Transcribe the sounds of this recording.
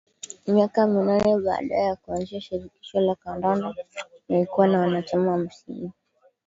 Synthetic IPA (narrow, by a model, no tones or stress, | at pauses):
miakaminanɛɓa̰ːɗajɛjakuanziaʃiɾiki̥ʃɔlakandandanalikuwanawanat͡ʃamawam̩siŋɡu